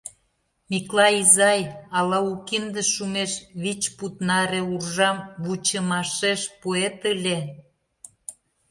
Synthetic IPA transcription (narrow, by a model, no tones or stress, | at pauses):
miklɑizɑjɑlɑukind̪əʃumeʃβit͡ɕput̪nɑɾeurʒɑmβut͡ɕəmɑʃeʃpuet̪əlʲe